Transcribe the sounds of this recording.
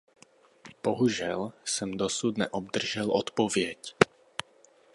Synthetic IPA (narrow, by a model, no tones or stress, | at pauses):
b̥ɔɦuʒɪɛlsɛmd̪ɔsuːd̪nɛ̰ʔɔb̚d̪r̩ʒɛlɔt̪pɔʋɪɛc